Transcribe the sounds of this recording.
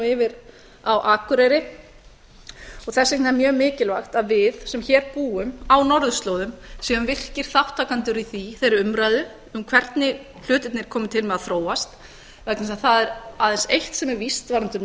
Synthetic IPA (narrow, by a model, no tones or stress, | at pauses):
ɪvɪɾ | awʔaːkʏɾejɾɪ | ɔɣθɛsːehnaɛɾmjœːmɪːcɪlvaxt̪aðvɪðsɛmçɛːɾpuːʏmawnɔɾðʏst̪loːwðʏmsɛðʏmvɪr̥cɪɾ̥θawht̪ʰaːkant̪ʏɾiθiθejɾɪɾʏmɾajðʏ | ʏmkʰvɛɾt̪nɪ | l̥ʏːt̪ɪt̪nɪɾ̥kʰɔːmʏt̪ʰɪlmɛðaðθɾoːwast̪ | vɛk̪nɪsaðθaðɛɾaːðɛnsejht̪sɛmɛɾvist̪vaːɾant̪ʏ